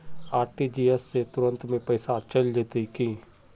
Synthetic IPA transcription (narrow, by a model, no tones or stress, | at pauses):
aːɾʈiːd͡ʒiːɛsːet̪ʊɾə̃nt̪mẽpəɪsaːt͡ʃəld̪ɪt̪ikĩː